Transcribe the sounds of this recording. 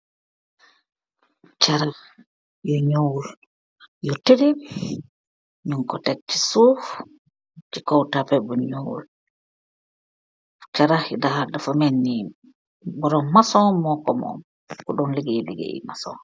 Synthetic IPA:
t͡ʃaɾa | jɔɲowul | jɔtedi | ɲuŋkɔtɛt͡ʃːi̥suf | t͡ʃikɔwtapɛbɔɲowṵl | t͡ʃaɾahidahadafɔmenːim | bɔɾɔnmasɔmɔkɔmɔ̰m | kuɗɔnliɡejliɡḛḭma̰sɔ̰

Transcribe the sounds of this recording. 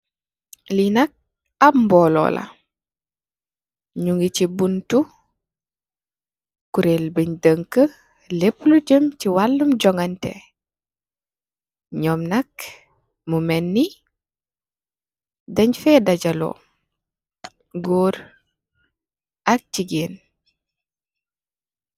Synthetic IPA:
linɐk̚ | ambɔːlɔ̰ːlʔɐ̰ | ɲuŋɡicibuntu | kuɾelbiɲdəŋkə | lepːluɟəmciwalːumɟɔŋɡɐntḛ | ɲɔːmnɐk | mumɛnːi | dɐɲfɛdaɟɐlo̰ː | ɡoːɾ | ak̚ciɡeːn

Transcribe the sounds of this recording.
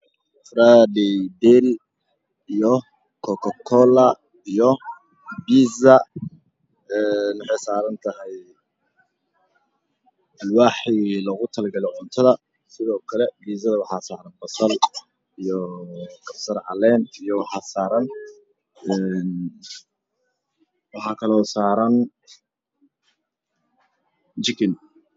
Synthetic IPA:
fradɛd̪ɛl | ijɔ | kʰɔkʰɔkʰɔlɐ | ijɔ | ɡiːzɐ | ɛːnʊħɑjsaːɾɐnt̪ʰɐɦɛj | wɑħilɔɣʊt̪ʰɐlɡɐlɛʕʊnt̪ʰɐðɐ | sɪðɔːkʰɐlɛɡiːsɐðɐwɑħɑːsaːɾɐnbɐsɐl | ijɔɡɐbsɐɾʕɑ̰lɛːnijɔwɑħɑːsaːɾɐn | ɛn | wɑħɑːkʰɐlɔːsaːɾɐn | t͡ʃɪkʰɪn

